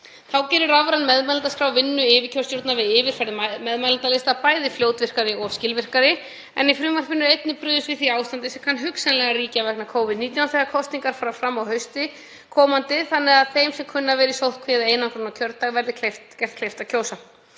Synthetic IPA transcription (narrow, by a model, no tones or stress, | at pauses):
θawcɛːɾʏɾavɾanmɛðmalat̪askɾaːwvɪnːʏɪːvɪcʰœɾsjowɾt̪navɪðɪːvɪɾ̥fajɾðɪmɛðmalant̪alɪst̪apaːjðɪfljoːwt̪vɪr̥kaɾɪɔscɪlvɪr̥kaɾɪ | ɛ̰nifɾʏːmar̥pɪnːʏɾejt̪nɪpɾʏːðʏst̪vɪθiaːwst̪ant̪ɪsɛmkʰanːɦʏksanlɛɣaɾiːcavɛknakʰoːwvɪðniːt̪jawnθɛɣakʰɔst̪niŋkaɾ̥faɾafɾamːawɦœɥst̪ɪ | kʰɔːmant̪ɪθanːɛɣaðθejmsɛmkʰʏnːavɛːɾisowht̪̚kʰvɛːðaejnankʰɾɔnawcʰœɾt̪ːaɣvɛɾðɪkʰleft̪cɛr̥t̪̚klejft̪acʰoːwsa